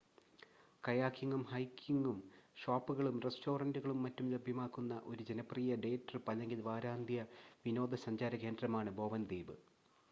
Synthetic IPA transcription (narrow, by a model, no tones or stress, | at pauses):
kɐjaːkʰːiŋɡumhɐjkʰːiŋɡumʂaːpːuɣɐɭumresto̞ːrɐnduɣɐɭumːɐtːumlebʱjɐmaːkːunːɐʔo̞ɾud͡ʑe̞nɐpriːjɐɖe̞ːʈːɐrpɐlɐŋɡilʋaːɾaːnd̪ʱjɐʋino̞ːd̪ʱɐsɐɲd͡ʑaːɾɐke̞ːndrɐmaːɳɨbo̞ːʋɐnd̪iːbɨ